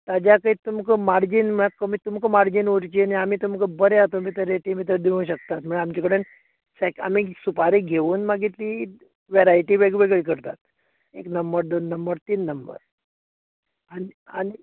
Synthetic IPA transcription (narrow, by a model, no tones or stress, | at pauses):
t̪ad͡ʑjakəit̪umkəmaɾd͡ʑiːnməkəmit̪umkəmaɾd͡ʑiːnʋuɾt͡ɕiniamiːt̪umkəbəɾeat̪omit̪əɾeʈimit̪̬əd̪iʋũːɕək̚t̪at̪m̤əɳeamt͡ɕakəɽen | sɛka̰miːsupaɾiɡʱeʋuːnmaɡit̪liː | ʋeɾajʈiːʋeɡʋeɡɭik̬əɾt̪at̪̚ | ḛknəmbəɾd̪onːəmbəɾt̪iːnːəmbə̰ɾ | ania̰ñi